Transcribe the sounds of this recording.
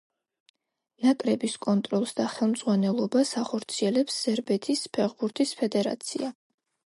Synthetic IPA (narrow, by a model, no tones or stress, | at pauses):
nakʼɾɛbiskʼɔnt̪ʼɾɔlˠsd̪aχɛlˠmd̪z̥ʁwanɛlˠɔbasaχɔɾt̪sʰiɛlɛpsːɛɾbɛt̪ʰispʰɛχbuɾt̪ʰispʰɛd̪ɛɾa̰t̪sʰḭa